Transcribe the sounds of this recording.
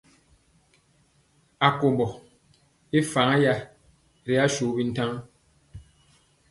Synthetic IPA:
a˨ko˨mbɔ˨ | e˦fa˨ŋa˦ja˦ | ɾi˦a˦ʃu˨˦bi˦n̩˦ta˦ŋ

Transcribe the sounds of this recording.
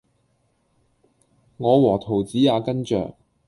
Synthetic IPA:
ŋɔː˨˧wɔː˨˩t̪ʰo˨˩wt͡siː˨˥jaː˨˧kɐ˥nt͡ʃœ̰ː˨ŋ

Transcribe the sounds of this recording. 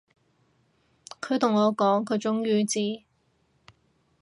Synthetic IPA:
kʰɵ˨˧ɥt̪ʰʊ˨˩ŋːɔː˨˧kɔː˨˥ŋkʰɵ˨˧ɥt͡sʊ˥ŋjyː˨˧t͡siː˥˩

